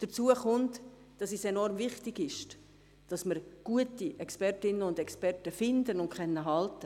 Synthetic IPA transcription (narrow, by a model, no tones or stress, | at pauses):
d̥əɾt͡suəχʊnt | d̥ɑsisɛnɔrmvɪχtɪɡɪʃt | d̥ɑsməɾɡ̥uətiʔɛkspɛɾtɪnəʊndɛkspɛɾtəfɪndənʊnkχɛnːəɦɑltə